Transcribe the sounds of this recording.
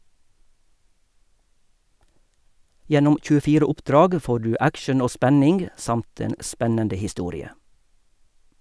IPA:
ˈjɛnʊm c͡çʉːəˈfiːɾə ˈʊpˌdɾɑːɡ ˈfoː ˈɖʉː ˈækʃəɳ̩ ˈoː ˈspænɪŋɡ ˈsɑmt ˈeːn ˈspɛnəndə hɪˈstuːɾɪə

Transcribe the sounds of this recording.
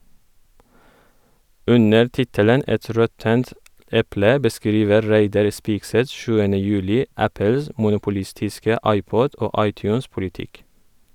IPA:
ˈʉnəɾ ˈtɪtələn ˈɛt ˈɾɔtənt ˈɛplə bəˈskɾiːʋə ˈɾæɪdɑɾ ˈspiːkˌsɛt ˈʃʉːənə ˈjʉːlɪ ˈæpəls mʊnʊpʊˈlɪstɪskə ˈɑɪˌpɔd ˈoː ˈɑɪˌtjʉːnspʊlɪˌtɪk

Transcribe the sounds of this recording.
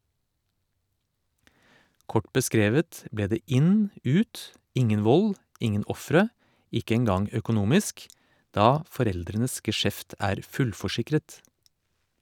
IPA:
ˈkɔʈ bəˈskɾeːʋət ˈbleː ˈdeː ˈɪn ˈʉːt ˈɪŋən ˈʋɔl ˈɪŋən ˈɔfɾə ˈɪkə ɛŋˈɡɑŋ øːkʊˈnuːmɪsk ˈdɑː fɔˈɾɛldɾənəs ɡəˈʃɛft ˈæːɾ ˈfʉlfɔˌʃɪkɾət

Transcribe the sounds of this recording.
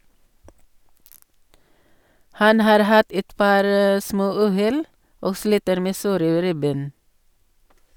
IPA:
ˈhɑn ˈhɑːɾ ˈhɑt ˈɛt ˈpɑːɾ ə ˈsmoːˌʉːˌhɛl ˈoːɡ ˈsliːtəɾ ˈmeː ˈsoːɾə ˈɾɪˌbeːn

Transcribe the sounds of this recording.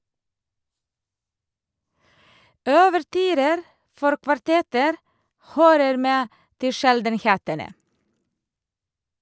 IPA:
œʋəɾˈtyːɾəɾ ˈfɔɾ kʋɑɾˈtɛtəɾ ˈhøːɾəɾ ˈmeː ˈtɪ ˈʃɛldənˌheːtənə

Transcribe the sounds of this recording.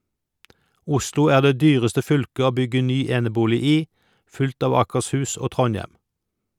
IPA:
ˈʊslʊ ˈæːʁ ˈdeː ˈdyːʁəstə ˈfʏlkə ˈoː ˈbʏɡə ˈnyː ˈeːnəˌbuːlɪ ˈiː ˈfʉlt ˈɑː ʋɑːkəʁsˈhʉːs ˈoː ˈtʁɔnˌjɛm

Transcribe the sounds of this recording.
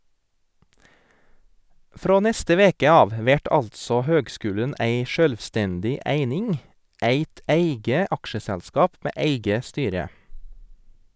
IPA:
ˈfɾoː ˈnɛstə ˈʋeːkə ˈɑːʋ ə ˈʋæʈ ˈɑltsɔ ˈhøːɡˌskʉːlən ˈʔæɪ ˈʃøːlʋˌstɛndɪ ˈæɪnɪŋ ˈæɪt ˈæɪɡə ˈɑkʃəsɛlˌskɑːp ˈmeː ˈæɪɡə ˈstyːɾə

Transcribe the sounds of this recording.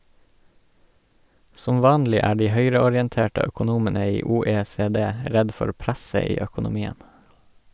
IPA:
ˈsɔm ˈʋɑːnlɪ ˈæː ˈɖiː ˈhœʏɾəɔɾjɛnˌteːʈə œkʊˈnuːmənə ˈiː uːeːseːˈdeː ˈɾɛd ˈfɔɾ ˈpɾæsə ˈiː œkʊnʊˈmiːən

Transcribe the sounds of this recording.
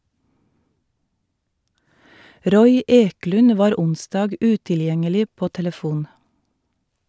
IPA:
ˈɾɔʏ ˈeːklʉn ˈʋɑːɾ ˈʊnsdɑːɡ ˈʉtɪlˌjɛŋəlɪ ˈpoː tɛləˈfuːn

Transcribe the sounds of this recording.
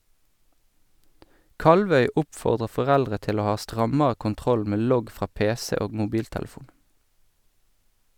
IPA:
ˈkɑlʋœʏ ˈʊpfɔʁdʁə fɔˈʁɛldʁə ˈtɪl ˈoː ˈhɑː ˈstʁɑməə kʊnˈtʁɔl ˈmeː ˈlɔɡ ˈfʁɑː ˈpeːsɛ ˈoːɡ mʊˈbiːltɛlˌfuːn

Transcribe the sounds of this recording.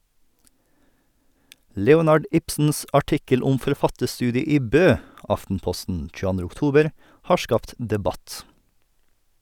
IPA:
ˈlɛʊnɑɖ ˈɪpsn̩s ɑˈʈɪkəl ˈʊm fɔɾˈfɑtəɾˌstʉːdɪə ˈiː ˈbøː ˈɑftn̩ˌpɔstn̩ c͡çʉəˈɑndɾə ʊkˈtuːbəɾ ˈhɑː ˈʃkɑːpt dɛˈbɑt

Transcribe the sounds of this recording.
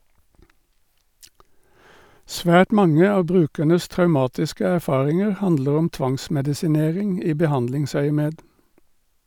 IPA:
ˈsʋæːʈ ˈmɑŋə ˈɑː ˈbʁʉːkænəs tʁɑʉˈmɑːtɪskə æʁˈfɑːʁɪŋəʁ ˈhɑndləʁ ˈɔm ˈtʋɑŋsmɛdɪsɪˌneːʁɪŋ ˈiː bəˈhɑndlɪŋsœʏəˌmeːd

